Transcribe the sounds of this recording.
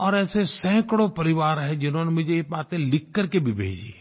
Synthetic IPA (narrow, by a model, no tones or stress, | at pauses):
ɔːɾɛːsesɛ̃ːkɽõpəɾɪʋaːɾɦɛd͡ʒɪnɦõːnemʊd͡ʒʱebaːt̪ẽlɪkːəɾkebʱibʱḛːd͡ʒi